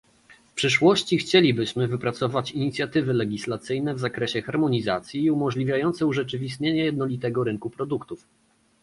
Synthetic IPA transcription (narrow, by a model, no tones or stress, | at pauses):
fpʂɘʂwɔɕt͡ɕixt͡ɕelʲibɘɕmɘvɘpɾat̪sɔvat͡ɕiɲit̪sʲjat̪ɘvɘlɛɡʲislat̪sɘjnɛvzakɾɛɕɛxaɾmɔɲizat̪sʲjiːumɔʐlʲivʲjajɔnt̪sɛuʐɛt͡ʂɘvʲist̪ɲeɲɛjɛd̪nɔlʲit̪ɛɡɔɾɘŋkupɾɔd̪ukt̪uf